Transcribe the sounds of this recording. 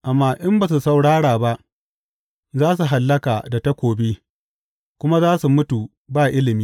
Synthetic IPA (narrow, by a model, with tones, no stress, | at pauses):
ʔa˨mːaː˨ʔɪ˦mba˨s̬u˨sa˨wɽaː˦ɽaː˨ba˦ʔ | zaː˦s̬u˨ɦa˨lːɐ˦kaː˨da˨ta˦kʷoː˨be˦ | kʷʊ˦ma˦zaː˦su˨mʊ˦tu˨ | baː˦˨ʔɪ˦lɪ˨miː˦